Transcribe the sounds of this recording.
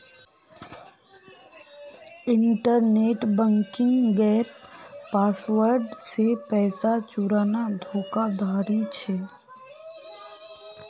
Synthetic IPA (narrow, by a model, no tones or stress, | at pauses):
ɪɳʈəɾneːʈbə̃ŋkɪ̃ŋɡɛːɾpaːsʋəɾɖsepɛːsat͡ʃuɾaːnad̪ʱoːkad̪ʱaːɾit͡ʃʰɛː